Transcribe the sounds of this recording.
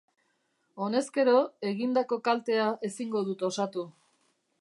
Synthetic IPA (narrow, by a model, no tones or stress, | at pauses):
o̞ne̞ske̞ɾo̞e̞ɣind̪ako̞kalt̪e̞aʔe̞siŋɡo̞ð̞ut̪o̞sat̪u